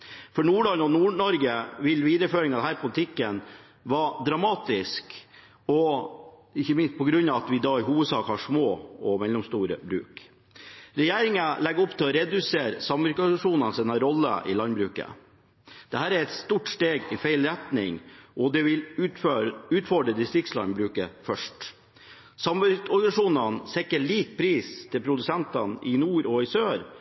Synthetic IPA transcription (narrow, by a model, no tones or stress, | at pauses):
fɔɳuːɭɑnɔnuːɳɔɾɡəʋɪlʋiːd̪əføːɾɪŋɑd̪ɛhæːɾpʰʊlət̪ʰɪkːən | ʋɑd̪ɾɑmɑːt̪ɪsk | ɔ | ɪçəmɪnst̪pʰɔɡɾʉnɑʋɑt̪ʋɪd̪ɑːɪɦuːʋəd̪sɑːkəhɑʂmoːɔmɛlːɔmst̪uːɾə̰bɾʉ̰ːk | ɾɛjeːɾɪŋəlɛɡːɔpːt̪ʰɪlɔɾɛd̪ʉseːɾsɑmʋœɾkɑʂuːnɑnsiːnɑɾɔlːə̰ʔɪ̰lɑnbɾʉːkə̰ | d̪̥ɛhæːɾæɾɛt̪st̪uːʈst̪eːɡɪfæɪlɾɛt̪nɪ̰ŋʔɔd̪ɛʋɪløʉːt̪fɔɖɾəd̪ɪst̪ɾɪk̚tslɑ̰nbɾʉːkəfœʂʈ | sɑmœɾkɔɾɡɑʂuːnɑnsɛkːəɭiːk̚pʰɾiːst̪ʰɪlpʰɾʊd̪ʉsɛnt̪ɑnʔɪnuːɾɔɪsøːɾ